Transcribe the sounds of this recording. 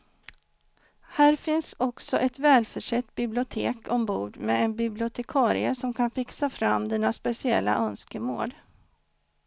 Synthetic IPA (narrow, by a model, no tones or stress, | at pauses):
hæːɾfɪnsɔksɔʔɛt̪vɛːlfœʂɛt̪ːbɪblɪʊt̪ʰeːkʰɔmbuːɖ̪mɛɛnbɪblɪʊt̪ʰɛkʰɑːɾɪ̰əsɔmkʰanfɪksafɾamːd̪ɛnːaspɛsɪɛ̰lːa̰ʔœnskəmo̰ːd̪